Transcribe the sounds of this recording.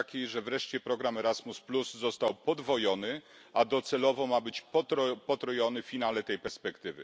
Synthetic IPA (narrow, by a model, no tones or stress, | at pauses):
kʲiʐɛvɾɛʂt͡ɕɛpɾɔɡɾamɛɾazmuspluzzɔst̪awpɔd̪vɔjɔnɘ | ad̪ɔt̪sɛlɔvɔmabɘt͡ɕpɔpɔt̪ɾɔjɔnɘfʲinalɛt̪ɛjpɛɾspɛkt̪ɘvɘ̰